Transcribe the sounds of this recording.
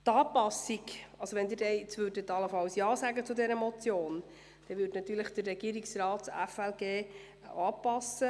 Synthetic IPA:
t̪ɑːpɑsiɡʔɑlsoʋɛnd̪ɪːdɛɪt͡sʋøɾdət̪ɑləfɑlsjɑːsæɡət͡sudɛɾəmɔt͡sjoːn | d̥ɛʋʏːdnɑt̪yːɾləχd̥ərːɛɡ̥iːɾiksrɑːtsæfɛlɡeː | ɑːpɑsə

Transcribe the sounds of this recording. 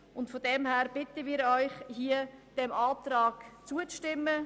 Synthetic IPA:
ʊntfodɛmhæːɾb̥ɪtəmiːɾɔʏχhiəd̥ɛmɑːtɾɑːɡ̥t͡suət͡sʃtɪmːə

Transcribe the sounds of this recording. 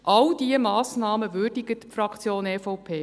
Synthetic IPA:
ʔɑld̥iəmɑːsnɑːməvʏːrdiɡətpfrɑkt͡sjoːnɛːfɔwpʰeː

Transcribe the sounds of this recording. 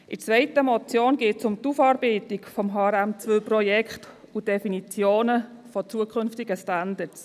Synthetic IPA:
ʔɪt͡sʋɛɪtəmɔt͡sjoːnɡeːtsʊmtufɑːɾbɛɪtɪkfɔmɦɑːɾæmt͡sʋølprɔjɛkχt | ud̥ɛfinit͡sjoːnəfɔt͡suəkʰχʏnftɪɡəstandəts

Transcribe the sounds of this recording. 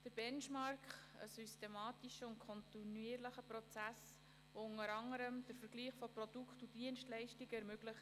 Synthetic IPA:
d̥əɾb̥ɛnʃmɑɾkχə̰systemɑːtiʃəʊntkʰɔntiniəɾləχəprɔt͡sæs | voʊŋəɾɑŋːəɾəmd̥əɾfəɾɡliːχfɔprɔd̥ukχtud̥iənʃtlɛɪʃtiɡɛɾmɵɡ̥ləχ

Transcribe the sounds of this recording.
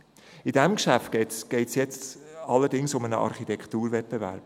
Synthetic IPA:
idɛmkʃæftɡ̥ɛtsɡ̥ɛɪtsjɛt͡stɑlːəɾdɪŋsʊmənəʔɑ̰ɾχitʰɛkχt̪uːɾvɛt̚pbevæ̰ɾb̥̚

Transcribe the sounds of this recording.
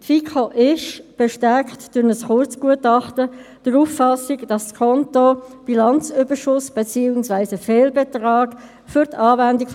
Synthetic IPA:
tfiːkʰoʔɪʃb̥ɛʃtæɾkχtd̥ʊnəsχʊɾt͡sɡ̥uətɑχtəd̥əɾuːfːɑsiɡd̥ɑsskʰɔntob̥ilɑnt͡sʏbəʃʊsb̥et͡siːʊŋsvæɪsəfɛːlbɛtʁɑːɡ | fʏɾtʰɑːvændik

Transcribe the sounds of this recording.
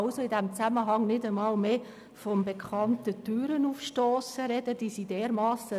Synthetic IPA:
lsoɪdɛmt͡sæməɦɑŋnɪdəmɑːlmeː | fɔmbekʰχɑntətyːɾənuːfʃtoːsəɾɛd̥əd̥isideːɾmɑːsə

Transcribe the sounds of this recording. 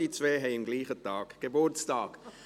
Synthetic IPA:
it͡sʋeːɦɛɪɪmɡliːχətɑːɡ̥ɡ̥ebʊrt͡stɑːɡ̥

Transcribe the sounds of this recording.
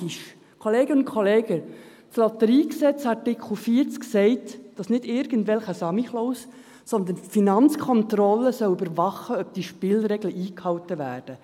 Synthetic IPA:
iʃ | kʰoleːɡəʊnt̚kʰχoleːɡ̥ə | slɔt̪əɾiːksɛt͡sɑɾtɪkʰl̩fiːəɾt͡sksɛɪtd̥ɑsnɪdɪɾɡ̥əndʋɛlχəsɑmiχloːs | sɔnd̪ənfinɑnt͡skʰɔnt̪rɔlːəsœwybəɾvɑχəœb̥̚d̥iʃpɪːlɾɛɡləʔiːkhɑwtəvæːrd̥ə

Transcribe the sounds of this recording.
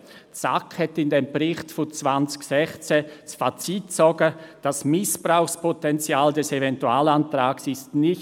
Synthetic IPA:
t͡sa̰khɛtɪndembɾɪxtfʊt͡sv̥ant͡sçsɛxt͡sesfat͡sitt͡sɔɡəd̥asmɪsb̥ʁaʊxspʰotɛnt͡sjaːldɛsevɛntuaːlantraːɡsɪstnɪ

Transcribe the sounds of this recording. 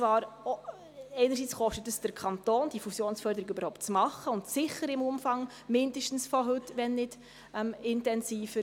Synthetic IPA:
t͡svɑːɾ | ɛɪnəɾsiːt͡sχɔʃtətəsd̥əɾkʰɑntoːnd̥ifusjoːnsfœɾdəɾɪɡøbəɾhɔʊp̚t̚t͡smɑχəʊntsɪχəɾɪmʊmfɑŋ | mɪndəʃtn̩sfɔɦɵtːʋɛnːɪd̥ | ɛmɪntɛnsiːfə

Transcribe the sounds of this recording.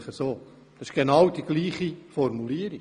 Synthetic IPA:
χəsoː | d̥ɑsɪ̥ʃɡ̥enɑwd̥̪iɡliːχifɔɾmuliːəɾi

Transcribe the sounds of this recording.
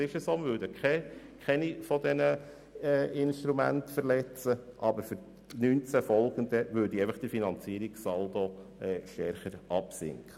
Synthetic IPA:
ɪʃəsoːməʋøɾdəkʰχɛ | kʰɛnifɔd̪ɛnə | ɛɪnʃt̪ɾumæ̰ntfəɾlɛt͡səʔɑbəɾfʏɾ | nyːnt͡sæfɔlˠɡ̥ənd̪əʋøːɾdieɪfəχd̥ifinɑnt͡siːəɾiɡsɑld̥̪oɛːʃtɛɾχəɾʔɑpsɪ̰ŋkχə

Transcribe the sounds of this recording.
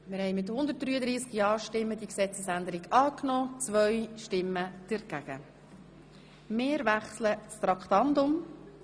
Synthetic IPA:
mɪɾhɛɪmɪthʊnd̪ət̚d̥̪ɾyːəd̪ɾiːskjɑːɾʃtɪmːəd̪iəksɛt͡səsænd̪əɾɪɡɑːknɔːt͡sʋœɥʃtɪmːəd̥ɛɾɡ̥æɡ̥ə | mɪːɾvæχslət͡st̪ɾɑkt̪ɑndʊm

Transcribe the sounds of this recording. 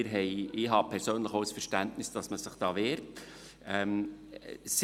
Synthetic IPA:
ɪɾɦɛɪɪɦɑpʰɛɾsøːnləχoʊsfəɾʃtæntnɪsd̥ɑsməsəχd̥ɑːʋeːɾt | ɛm | s

